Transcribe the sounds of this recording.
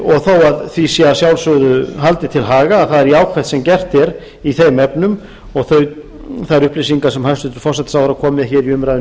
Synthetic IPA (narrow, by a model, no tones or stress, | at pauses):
ɔɣθowaðθisjɛasjawlsʏðʏɦalt̪ɪt̪ʰɪlɦaːɣaːðθaðɛɾiaːwkʰvɛht̪sɛmcɛr̥t̪ɛɾ | iθejmɛpnʏm | ɔɣθœɥ | θaðɛɾʏhplesiŋkasɛmhajst̪ʏt̪ʏ̥ɾ̥fɔr̥sɛt̪sawðɾakʰɔːmɪðçɛːɾiʏmɾajð